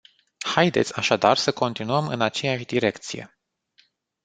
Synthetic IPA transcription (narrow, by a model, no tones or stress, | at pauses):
hajd̪e̞t̪sʲaʃad̪arsəko̞nt̪inuəmɨnat͡ʃejaʃʲd̪iɾe̞kt̪sije̞̰